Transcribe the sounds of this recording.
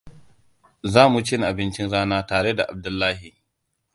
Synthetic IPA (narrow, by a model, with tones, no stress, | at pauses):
zaː˦mu˨t͡ʃɪ˦nʔa˨bɪ˦nt͡ʃɪ˦nɽaː˦naː˦taː˨ɽe˦da˨ʔa˨b̚dʊ˦lːaː˦hi˨